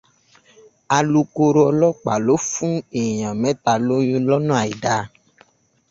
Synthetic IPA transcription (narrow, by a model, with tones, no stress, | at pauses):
a˧lu˧ko˧ɾo˦ɔ˧lɔ˦k͡pa˨lo˦fũ˦e˨jã˨mɛ̃˦t̪a˧lo˦jũ˦lɔ˦nũ˦a˨i˨da˨